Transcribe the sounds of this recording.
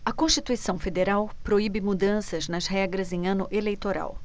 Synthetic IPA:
ɐkõʃt͡ʃit̪uisɐ̃w̃fed̪eɾawpɾoibɪmud̪ɐ̃sɐznɐzɦɛɡɾɐzẽj̃ɐ̃nʊʔelejt̪oɾa̰w

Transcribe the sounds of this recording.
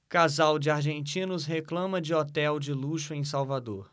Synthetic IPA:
kazawd͡ʒɪaɾʒẽnt͡ʃĩnʊsɦeklɐ̃mɐd͡ʒɪɔt̪ɛwd͡ʒɪluʃʊẽj̃sawvad̪oɾ

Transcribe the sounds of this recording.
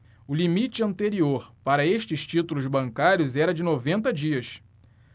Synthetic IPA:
ʊlimit͡ʃɪɐ̃nt̪eɾioɾpaɾɐeʃt͡ʃɪst͡ʃit̪ulʊzbɐ̃ŋkaɾjʊzɛɾɐd͡ʒɪnovẽnt̪ɐd͡ʒiɐs

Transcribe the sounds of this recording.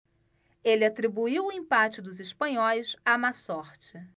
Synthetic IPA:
elɪat̪ɾibuiwʊẽpat͡ʃɪd̪ʊzɪspɐ̃ɲɔjsamasɔɾt͡ʃɪ

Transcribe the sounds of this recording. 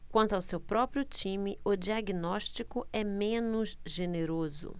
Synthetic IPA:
kwɐ̃nt̪ʊawsewpɾɔpɾjʊt͡ʃĩmɪʊd͡ʒiaɡinɔʃt͡ʃikʊɛmẽnʊzʒeneɾozʊ̰

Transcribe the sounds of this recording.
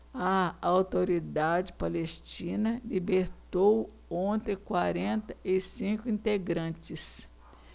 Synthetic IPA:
ɐawt̪oɾid̪ad͡ʒɪpalest͡ʃĩnɐlibeɾt̪ow | õt̪ẽkwaɾẽnt̪ɐʔɪsĩkʊĩnt̪eɡɾɐ̃t͡ʃɪs

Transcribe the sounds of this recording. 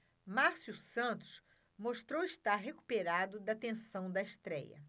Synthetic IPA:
maɾsjusɐ̃nt̪ʊ̥s | moʃt̪ɾowiʃt̪aɾɦeku̥peɾad̪ʊd̪ɐt̪ẽsɐ̃w̃d̪ɐiʃt̪ɾɛ̰jɐ̰

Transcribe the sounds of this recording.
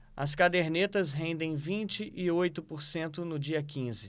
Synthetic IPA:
ɐ̰skad̪eɾnet̪ɐzɦẽnd̪ẽj̃vĩt͡ʃɪʔɪojt̪ʊpoɾsẽnt̪ʊnʊd͡ʒiɐkĩzɪ

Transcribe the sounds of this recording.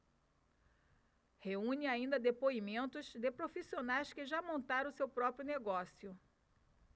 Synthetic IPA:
heũɲɪaĩnd̪ɐd̪epoimẽnt̪ʊzd̪epɾofisionajskɪʒamõnt̪aɾɐ̃ʊsewpɾɔpɾjʊneɡɔsiʊ

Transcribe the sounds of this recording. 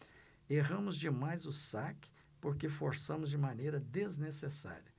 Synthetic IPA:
eɦɐ̃mʊzd͡ʒɪmajzʊsakɪ̥ | poɾkefoɾsɐ̃mʊzd͡ʒɪmanejɾɐd̪eznesesa̰ɾʲjɐ

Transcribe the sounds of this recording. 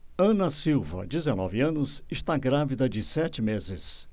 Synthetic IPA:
ɐ̃nɐsiwvɐ̰d͡ʒɪzenɔ̰vɪɐ̃nʊsɪʃt̪aɡɾavid̪ɐd͡ʒɪsɛt͡ʃɪmezɪs

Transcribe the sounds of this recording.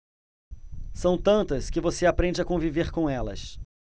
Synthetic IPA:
sɐ̃w̃t̪ɐ̃nt̪ɐskɪvoseapɾẽnd͡ʒɪakõviveχkõɛlɐ̰s

